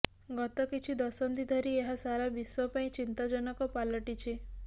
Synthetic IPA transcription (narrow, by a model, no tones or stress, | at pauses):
ɡɔt̪ɔkit͡ʃʰid̪ɔsɔnd̪id̪ʱɔɾieɦasaɾabiswɔpaĩt͡ʃint̪ad͡ʒɔnɔkɔpalɔʈit͡ʃʰe